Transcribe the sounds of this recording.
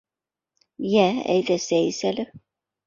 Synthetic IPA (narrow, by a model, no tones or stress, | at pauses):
jææ̰jðæsæjsælɘ